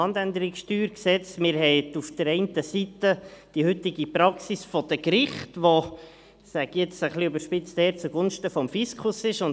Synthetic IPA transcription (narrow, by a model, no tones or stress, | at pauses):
ɑndænd̪əɾɪksʃtyːɾksɛt͡stmɪɾhɛɪtufd̥əɾɛɪntəsitəd̥ihʏt̪ɪɡipɾɑksisfɔd̥əkɾɪχtʋo | sæɡjɛt͡səχliybəʃpɪt͡st̪ɛːɾt͡suɡ̥ʊnʃtəfɔmfiskʰʊsɪʃʊn